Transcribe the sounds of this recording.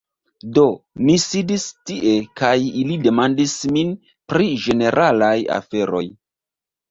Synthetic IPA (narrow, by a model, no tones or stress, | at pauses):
do̞misidistiʔe̞kajilide̞mandismin | pɾid͡ʒe̞ne̞ɾʔalaja̰fe̞ɾo̞̰j